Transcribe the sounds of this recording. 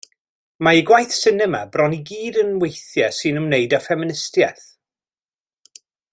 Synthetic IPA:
maiɡwajθsɪnəmabrɔniɡiːdənwejθjasɨnəmnejdafɛmɪnɪstjaθ

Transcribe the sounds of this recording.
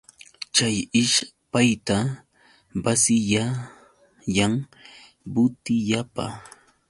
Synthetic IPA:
t͡ʃajɪʃ | pajt̪a | basɪja | jaŋ | bʊt̪ɪʎapa̰

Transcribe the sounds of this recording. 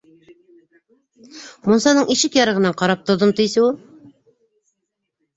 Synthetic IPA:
munsɑnɤɴiʃɪkjɑɾɤʁɤ̆nɑɴqɑɾɑp̚t̪ŏd̪ɤmt̪ijsɘwulˠ

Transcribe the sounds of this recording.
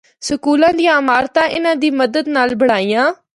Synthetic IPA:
səkuːlãːd̪ijãːmaːɾt̪ãːʔɪnãːd̪iːməd̪əd̪naːlbəɽaːijãː

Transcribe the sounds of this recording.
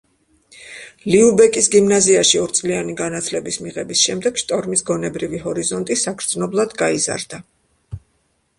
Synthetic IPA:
liubɛkʼisɡimnaziaʃiɔɾt̪sʼlianiɡanat̪ʰlɛbismiʁɛbisʃɛmd̪ɛɡ̥ʃt̪ʼɔɾmisɡɔnɛbɾiviɦɔɾizɔnt̪ʼisakɾd̪znɔblˠad̪ɡaiza̰ɾd̪a

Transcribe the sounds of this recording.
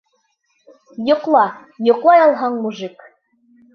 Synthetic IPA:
jŏqlˠɑ | jŏqlˠɑjɑlˠɦɑɴmuʒɨk

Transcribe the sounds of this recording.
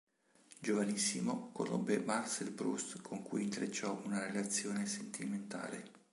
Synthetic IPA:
d͡ʒovanisːimoko̰ro̰bːemarsɛlbɾṵst̪kʰoŋkujint̪ɾet͡ʃːɔunaɾelat̪sːjoːnesent̪ʰiment̪a̰ːle

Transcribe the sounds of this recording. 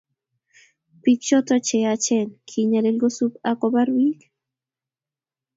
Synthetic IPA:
pikt͡ʃot̪ot͡ʃejat͡ʃenkʰiɲaɾelɡosupakobaɾwik

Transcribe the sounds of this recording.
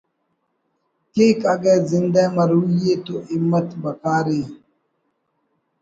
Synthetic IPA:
kikʼaɡɛzindɛmaɾujet̪oʔimːatbakaːɾi

